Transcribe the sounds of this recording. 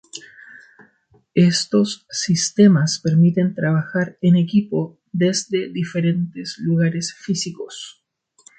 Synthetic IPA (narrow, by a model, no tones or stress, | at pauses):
est̪o̞sːist̪e̞maspeɾmit̪e̞nt̪ɾaβaxaɾenekipo | ðezd̪e̞ðifeɾe̞nt̪esluɣaɾesfisikos